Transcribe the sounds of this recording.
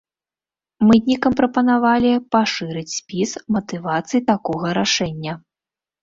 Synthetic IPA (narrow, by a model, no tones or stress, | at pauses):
mɨd̪ʲnʲikɐmpɾɐpɐnavalʲipaʂɨɾɨt͡sʲsʲpʲismɐt̪ɨvat̪sɨjit̪akɔɣɐɾaʂɛnʲːɐ